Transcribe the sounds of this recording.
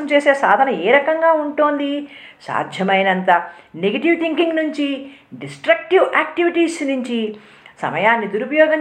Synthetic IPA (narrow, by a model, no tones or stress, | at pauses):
ɐmt͡ʃeːse̞ːsaːd̪ʱɐnɐeːɾɐkɐŋɡaːuɳʈoːnd̪isa̰ːd̪ʱjɐmɐjnɐnt̪ɐneɡɐʈiʋt̪ʰiŋkiŋɡnuɲt͡ʃiɖisʈɾɐk̚ʈiʋʔaːkʈiʋiʈiːsnuɲt͡ʃi | sɐ̰mɐjaːnːid̪uɾupɐjɔːɡɐn